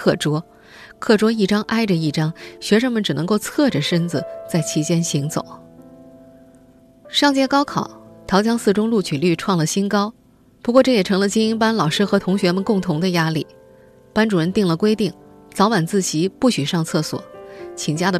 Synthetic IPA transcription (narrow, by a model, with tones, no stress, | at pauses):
kʰɤ˥˩ʈ͡ʂwɔ˥ | kʰɤ˥˩ʈ͡ʂwɔ˥i˥˩ʈ͡ʂɑ˥ŋʔa˥ɪʈ͡ʂə˧i˥˩ʈ͡ʂɑ˥ŋɕɥɛ˧˥ʂɤ˥ŋmə˨nʈ͡ʂɻ̩˨˩nɤ˧˥ŋko˥˧ʊt͡sʰɤ˥˩ʈ͡ʂə˩ʂə˥nd͡zɹ̩˩t͡sa˥˩ɪt͡ɕʰi˧˥t͡ɕjɛ˥nɕi˧˥ŋt͡so̰˨˩˦ʊ | ʂɑ˥˧ŋt͡ɕjɛ˥kɑ˥ʊkʰɑ˨˩˦ʊt̪ʰjɑ˧˥ʊt͡ɕjɑ˥ŋsɹ̩˥˩ʈ͡ʂʊ˥ŋlu˥˩t͡ɕʰy˨˩ly˥˧ʈ͡ʂʰwɑ˥˩ŋlə˩ɕi˥nkɑ˥ʊ | pu˧˥kwɔ˥˧ʈ͡ʂɤ˥˩jɛ˨˩ʈ͡ʂʰɤ˧˥ŋlə˧t͡ɕi˥ŋi˥npa˥nlɑ˨˩ʊʂɻ̩˥xɤ˧˥t̪ʰʊ˧˥ŋɕɥɛ˧˥mə˨nkʊ˥˩ŋt̪ʰʊ˧˥ŋd̪ə˧ja˥li˥˩ | pa˥nʈ͡ʂu˨˩ɻə˧˥nt̪i˥˩ŋlə˩kwe˥ɪt̪i˥˩ŋt͡sɑ˧˥ʊwa˨˩nt͡sɹ̩˥˩t͡ɕi˧˥pu˥˩ɕy˨˩ʂɑ˥˧ŋt͡sʰɤ˥˩swɔ̰˨˩˦t͡ɕʰi˨˩ŋt͡ɕja˥d̪ə˨